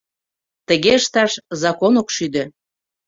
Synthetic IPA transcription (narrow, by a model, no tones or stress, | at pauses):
t̪əɣeəʃt̪ɑʃzɑkonokʃyd̪ø̆